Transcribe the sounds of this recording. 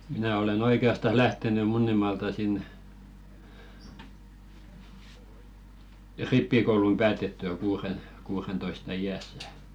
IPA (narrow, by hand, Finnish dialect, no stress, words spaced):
minæˑ olen oikeɑstɑs læhteny munːimɑːltɑ siˑn ripːikoulum pæːtetːyæ kuːren kuːrentoistɑ iæsːæ